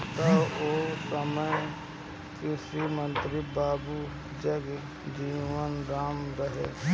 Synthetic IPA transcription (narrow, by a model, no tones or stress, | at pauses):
t̪aoːsəməj | kɪsɾiːmə̃nt̪ɾibaːbu | d͡ʒəɡ | d͡ʒiːʋənɾaːmɾəɦḛː